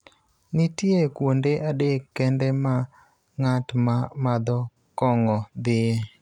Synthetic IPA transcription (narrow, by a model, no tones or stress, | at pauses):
nɪtjekwondeʔadekːɛndɛma | ŋatmamad̪ɔ | kɔŋɔd̪ɪe